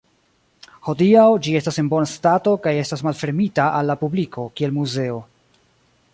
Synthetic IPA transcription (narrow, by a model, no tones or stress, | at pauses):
ho̞diawd͡ʒie̞stasenbo̞nastato̞kaje̞stasmalfe̞ɾmitaʔalːapublikʰo̞kie̞lmuze̞o̞